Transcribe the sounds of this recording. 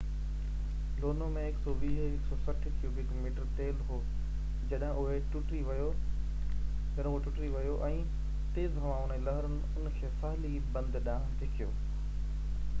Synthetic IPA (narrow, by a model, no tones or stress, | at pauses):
loːnomẽɪksɔɓiːɦɪksɔsɐʈʰəkiubɪkmiːʈəɾt̪eːlɦoː | d͡ʑɐɗɦɪ̃ʔʊɦeʈʊʈɾiʋɐjo | d͡ʑɐɗʊɦeʈʊʈɾiʋɐjoʔɛ̃ː | t̪eːzɦɐʋãʊnəlɐɦəɾənɪ̆ʊnkʰeːsaːli | bɐ̃nd̪ɗãːt̪ekʰijoː